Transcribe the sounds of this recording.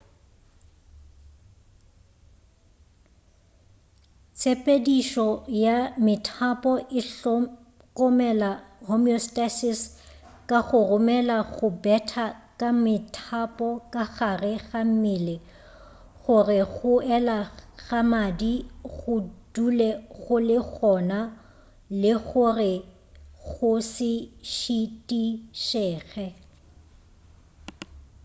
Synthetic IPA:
t͡sʰepʼediʃɔjamɪtʰapʼɔʔɪɬ | kʼɔmɛlahomiɔstʼasɪs | kʼaɣʊrʊmɛlaɣʊbɛtʰakʼamɪtʰapʼɔkʼaɣarɪɣam̩milɪ | ɣʊrɪɣʊɛlaɣamadiɣʊd̥ulɛɣʊlɪɣʰɔna | lɪɣʊrɪ | ɣʊsɪʃitʼiʃɛːɣɛ

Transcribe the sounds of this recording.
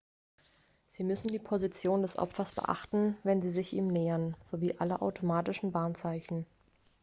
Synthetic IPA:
z̥iːmʏsn̩diːpʰozit͡sjoːndɛsʔɔ̰pfɐsb̥ə̰ʔa̰χtn̩vɛnziːzɪçʔiːmnɛːɐnz̥oviːʔaləʔa̰ʊtʰomaːtɪʃn̩baːnt͡saɪçn̩

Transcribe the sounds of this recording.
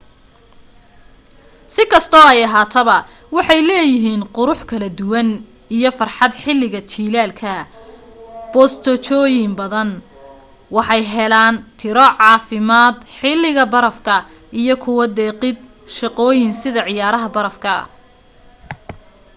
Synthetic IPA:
sɪkʰɐst̪ʰɔːɛjɐɦaːt̪ʰɐβɐ | wɑħɑjlɛːjɪɦiːnqʊɾʊħkʰɐlɐd̪ʊwɐn | ijɞfɐrħɑd̪ħɪlːɪɣɐt͡ʃiːlaːlkʰɐ | b̥ɔːst̪ʰɔt͡ʃɔːjɪmbɐðɐn | wɑħɑjɦɛlaːnt̪ʰɪɾɔʕɑːfɪmaːd̪ħɪlːɪɣɐbɐɾɐfkʰɐ | ijɔkʰʊwɐd̪ɛːqɪd̪ | ʃɑqɔːjɪnsɪðɐʕɪjaːɾɐɦɐbɐɾɐfkʰɐ̰

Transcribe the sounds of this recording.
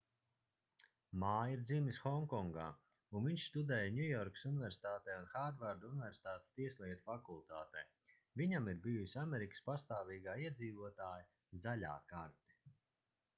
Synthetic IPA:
maːjiɾd̪zimisxɔŋkɔŋɡa̰ː | unviɲʃst̪ud̪ɛːjanʲujɔɾksunivɛɾsi̥t̪aːt̪ɛːunxaɾd̪vaɾd̪unvʲɛɾsi̥t̪aːt̪e̥st̪iɛsʲlˠiɛt̪ufakulˠt̪aːt̪ɛ̰ː | vʲiɲamiɾbijusʲamɛɾikə̥spast̪aːviːɡaːiɛd̪ziːvuɔt̪aːja | zalʲa̰ːkaɾt̪ɛ̥

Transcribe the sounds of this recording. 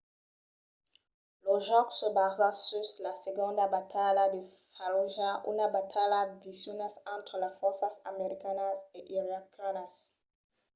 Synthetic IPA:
loʒɔksəbazasyslaseɡɔ̃d̪abat̪ʰalad̪ə | faloʒaʔy̰nabat̪ʰalavisjunasɑ̃t̪χlafɔʁsasa̰meʁikanazeʔiʁakanas

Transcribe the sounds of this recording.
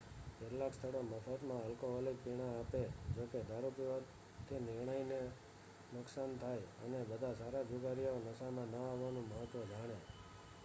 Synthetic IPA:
ketlakst̪ʰəɭoməfət̪mãəlkoɦɔlik̚piɽ̃aaped͡ʒoked̪ʱaɾupiʋa | t̪ʰinɪɾɳəjne | nʊksant̪ʰajə̰nebəd̪ʱasaɾad͡ʒuɡaɾijaonəsamãnəaʋːanũməɦət̪ːʋəd͡ʒaɽ̃e

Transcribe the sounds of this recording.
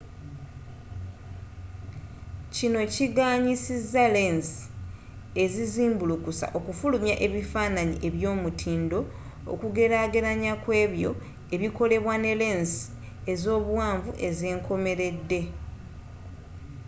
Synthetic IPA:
cino̞ciɡaːɲisizale̞nsi̥ | e̞ziziːmbulukusa̰ʔo̞kufulumjaʔe̞βifaːnaɲiʔe̞βjo̞ːmutʰiːndo̞ | o̰kuɡe̞ɾaːɡe̞ɾaɲakwe̞ːβjo̞̰ | e̞βiko̞le̞βwane̞le̞ːnsi̥ | ezo̞ːβwaːɱvuʔe̞zeːŋkʰo̞me̞ɾe̞dːe̞

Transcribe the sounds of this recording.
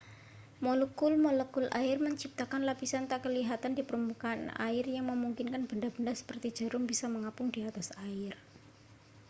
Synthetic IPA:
mɔlɔkʊlmɔlɔkʊlʔaɪrməɲt͡ʃip̚t̪akanlapisant̪aʔkəliɦat̪andipəɾumbukana̰ɪrjaŋməmuŋkinkanb̥əndab̥əndasə̥pərt̪i̥d͡ʒ̥a̤ɾʊŋbisaməŋapʊŋdiat̪asaɪr

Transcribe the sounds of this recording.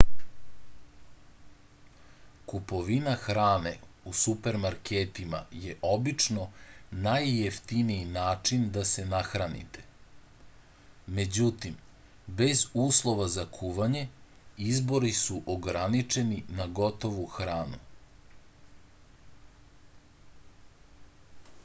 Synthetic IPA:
kupo̞ʋinaxɾaːnḛusupe̞ɾmaɾkeːt̪ima̰jeʔo̞bit͡ʂnonajːeft̪iniinaːt͡ʂind̪ase̞naxɾanḭt̪e̥ | me̞d͡ʑut̪im | be̞zuːslˠo̞ʋazakʰuʋaɲe̞ | izbo̞ɾisuʔoɡɾanit͡ʂe̞ninaɡo̞t̪o̞ʋuxɾaːnu

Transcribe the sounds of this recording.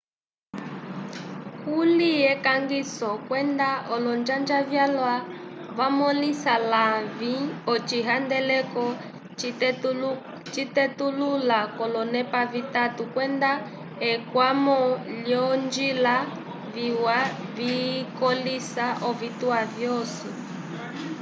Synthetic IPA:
kulijɛkaŋɡisɔkwɛnd̪aɔlɔnd͡ʒand͡ʒavjalwavamɔlisalaviɔt͡ʃiɦandɛlɛkɔ | t͡ʃit̪ɛtululakɔlɔnɛpavitatukwɛnda | ɛkwamɔljɔnd͡ʒila | viwavikɔlisaʔɔvit̪uavjɔsi

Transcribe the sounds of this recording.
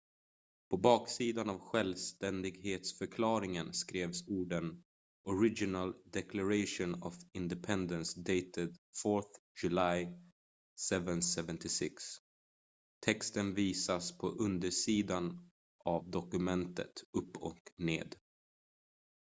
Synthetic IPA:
pʰɔbɑːksiːd̪anavɧɛlvst̪ɛnd̪ɪɡheːt̪sfœɾkʰlɑːɾɪŋənskɾeːvsuːɖən | ʔɔɾɪd͡ʒɪnald̪ɛkʰlaɾeɪʂʊnɔvɪnd̪ɛpʰɛnd̪ənsd̪ɛjt̪ɪd̪fɔɾθ | jɵlaj | sɛvənsɛvənt̪ʰɪsɪks | t̪ʰɛkst̪ənviːsaspʰɔʔɵnd̪əʂiːd̪an | ʔavd̪ɔkɵmɛnt̪ʰə̰t̪ɵpʰːɔ̰knḛːd̪

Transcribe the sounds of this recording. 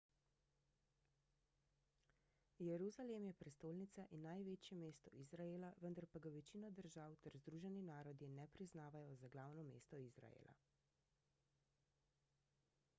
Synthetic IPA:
jɛɾuzalemjɛpɾɛst̪oːlnit̪saʔinːajʋeːt͡ʃjɛmeːst̪ɔizɾaelaʋənd̪aɾpaɡaʋɛt͡ʃiːnɔd̪əɾʒawt̪ɛɾzd̪ɾuːʒɛninaːɾɔd̪inɛpɾiznaːʋajɔzaɡlawnɔmḛːst̪ɔizɾa̰jḛːlʔa̰

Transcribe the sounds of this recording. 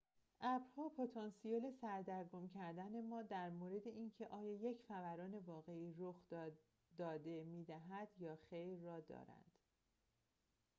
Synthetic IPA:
ʔæbɾhɒːpʰot̪ʰɒːnsijeːle̞sæɾd̪æɾɡomcʰæɾd̪æne̞mɒːd̪æɾmoːɾe̞d̪e̞ʔiːncʰe̞ʔɒːjɒːje̞cʰfævæɾɒːne̞vɒːɣe̞iːɾoxd̪ | d̪ɒːd̪e̞miːd̪æɦæd̪̥jɒːxejɾːɒːd̪ɒ̰ːɾæ̰nd̪̥

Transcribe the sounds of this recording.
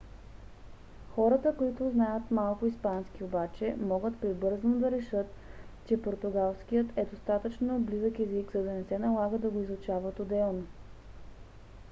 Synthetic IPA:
xɔɾət̪əkoit̪ʊznajət̪malˠkʊispanskiobat͡ʃɛmɔɡət̪pɾibɤɾznʊd̪ɐɾɛʃɤt̪t͡ʃɛpoɾt̪ʊɡalˠskijət̪ɛd̪ost̪at̪ət͡ʃnoblizəkɛzikzɐd̪ɐnɛsɛnɐlˠaɡəd̪ɐɡoizˠʊt͡ʃavət̪od̪ɛlˠno

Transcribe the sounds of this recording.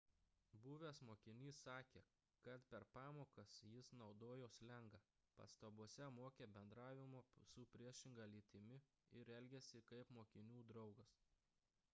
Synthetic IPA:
buːʋʲeːsmoːkʲɪnʲiːsːɑːkʲḛː | kɐt̪pʲɛɾpɑːmoːkɐsjɪsnɒʊd̪oːjoːslʲɛŋɡɐ | pɐ̰st̪ɐbuɔsʲɛmoːkʲeːbʲɛnd̪ɾɑːʋʲɪmoːsʊpʲɾʲiɛʃʲɪŋɡɐlʲiːt̪ʲɪmʲɪ | ɪɾɛlʲɡʲɛsʲɪkɐɪpmoːkʲɪnʲuːd̪ɾɒʊɡɐs

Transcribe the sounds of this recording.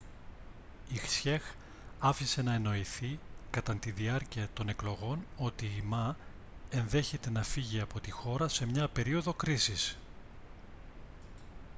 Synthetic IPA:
ixsçe̞x | ɐfise̞nɐeno̞iθikɐt̪ɐnt̪iðiɐɾciɐt̪o̞ne̞klo̞ɣo̞no̞t̪iːmɐ | e̞nðe̞çe̞t̪e̞nɐfiʝiɐpo̞t̪ixo̞ɾɐse̞mɲɐpe̞ɾio̞ðo̞kɾisis

